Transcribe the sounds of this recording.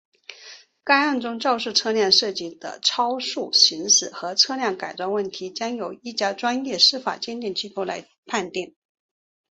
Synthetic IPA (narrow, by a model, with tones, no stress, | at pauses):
ka˥ɪɑ˥˩ŋʈ͡ʂʊ˥ŋʈ͡ʂɑ˥˧ʊʂɻ̩˥˩ʈ͡ʂʰɤ˥˧ljɑ˥˧ŋʂɤ˥˧t͡ɕi˥˩d̪ə̰˨ʈ͡ʂʰɑ˥ʊʂu˥˩ɕi˧˥ŋsɹ̩˨˩xɤ˧˥ʈ͡ʂʰɤ˥˧ljɑ˥˩ŋka˨˩ɪt͡swɑ˥˧ŋwə˥˩nt̪ʰi˧˥t͡ɕjɑ˥ŋjo˨˩ʊi˥˩t͡ɕja˥ʈ͡ʂwa˥njɛ˥˩ʂɻ̩˥fa̰˨˩t͡ɕjɛ˥nt̪i˥˧ŋt͡ɕʰi˥k̪ʰo˧˥la̰˧˥ɪ | pʰa˥˧nt̪jɛ˥˩n